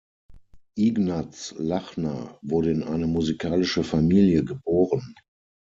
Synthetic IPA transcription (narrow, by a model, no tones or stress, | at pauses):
ʔiɡnat͡slaχnɐ̰vʊɐɾəɪnʔaɪnəmuzikʰaːlɪʃəfamiːljəɡəboːʁən